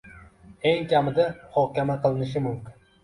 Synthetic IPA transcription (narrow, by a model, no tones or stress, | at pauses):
e̞ŋkʲamɪd̪amʊhɒhkʲamaqʰɨlˠɪnɪʃ̬ɪmʊmkʲɪn